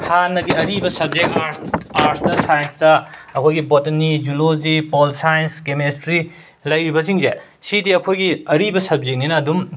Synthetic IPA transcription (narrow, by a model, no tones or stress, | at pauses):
hʰanːɐɡiɐɾibɐsɐb̚zek̚aɾaɾsdɐsajɐnsdɐɐkʰojɡibotɐnːid͡ʒulozipolsajnskemestɾi | lɐjɾibɐs̬iŋze | sidiɐkʰojɡiɐɾibɐsɐb̚zek̚ninɐːdum